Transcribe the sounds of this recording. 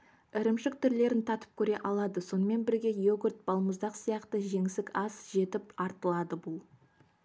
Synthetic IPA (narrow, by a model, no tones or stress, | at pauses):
ɪɾɪmʃɪk̚t̪ʰʏɾle̞ɾɪnt̪ʰɑt̪ə̥p̚kʲʰɵɾe̞ʔɑlˠɑd̪əso̞nəme̞nbɪɾɡʲe̞jeɡʲɪɾt̪̚bɑlˠməzd̪ɑqsijɑqt̪əʒe̞ŋɪsɪkʲɑsʒe̞t̪ɪp̚ɑɾt̪əlˠɑd̪əbʊlˠ